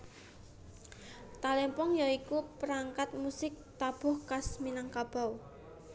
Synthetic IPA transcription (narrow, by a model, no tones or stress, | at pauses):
t̪alɛmpɔŋjaikupəɾaŋkat̪̚musɪk̚t̪ab̥ʊ̤hkasminaŋkab̥a̤w